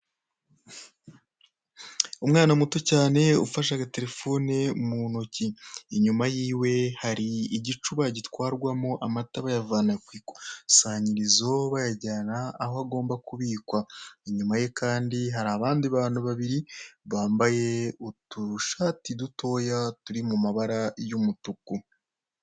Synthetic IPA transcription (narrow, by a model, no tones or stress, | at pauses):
umŋaːnamutocaːne̞ṵfaʃ̬aɡate̞ɾe̞fo̞ːne̞munociːɲumajiːwe̞haɾiːɟit͡ʃuβaɟitwaːɾɡwamoʔamataβajavaːnakwiːkwḁsaːɲiɾizo̞βajaɟaːnaːhoaɡo̞ːmbakuβiːkwaeɲumaje̞kʰaːndiɦaɾaβaːndiβaːnhuβaβiɾiβaːmbaje̞utuʃaːtidutʰo̞jatuɾimumaβaɾajumutuku